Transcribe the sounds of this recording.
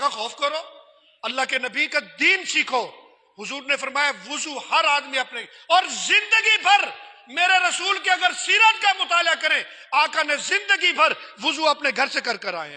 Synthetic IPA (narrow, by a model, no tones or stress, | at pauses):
kaxɔːfkɐɾoː | ɐlːaɦkenɐbiːkad̪iːnsiːkʰoː | ɦʊzuːɾnefɐɾmaːjaʋʊzuhɐɾaːd̪miɐpneɔːɾzɪ̃nd̪əɡibʱɐɾmeːɾeɾɐsuːlkeɐɡəɾsiːɾat̪̚kamʊt̪aːljakɐɾẽ | aːkanẽzɪ̃nd̪əɡibʱɐɾʋʊzuɐpneɡʱɐɾsekɐɾkɐɾa̰ːḛ̃